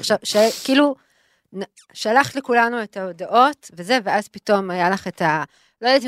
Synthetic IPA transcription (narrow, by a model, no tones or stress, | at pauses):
aχʃavʃakiːlu | n | ʃalaχle̞kulanue̞taodaʔo̞tve̞ze̞veazpito̞majalaχeta | lojt̪̬